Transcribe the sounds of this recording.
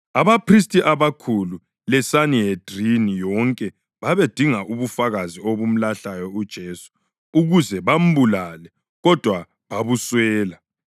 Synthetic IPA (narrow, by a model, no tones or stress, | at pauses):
aβapʰristʼiʔaβakʰulu | lɛsanied̥ʱrinijɔŋkʼɛ | βaβed̥ʱiŋaʔuβufaɣazioβum̩laɬajɔud̥ʒ̥ʱeːsu̥ | uɣuzɛβam̩bulalɛ | ɣɔd̥ʱwa | βaβuswɛːla